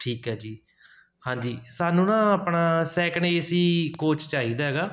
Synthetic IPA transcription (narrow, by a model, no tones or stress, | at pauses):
ʈʰiːkɦɛːd͡ʒiː | hãːɲd͡ʒiːsaːnũːnãːəpɳaːsɛːkɳeːəsiːkoːt͡ʃt͡ʃaːɦiːd̪aːɦɛːɡaː